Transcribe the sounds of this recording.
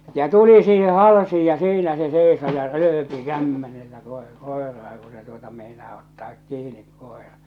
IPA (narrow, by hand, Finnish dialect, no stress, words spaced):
jɑ tuli siːhe hɑlsiːj jɑ siːnæ se seˑiso jɑ røːpi kæmːenelːæ koˑe koˑerɑː ku se tuotɑ meˑinɑː otːɑːk kiːnik koˑerɑ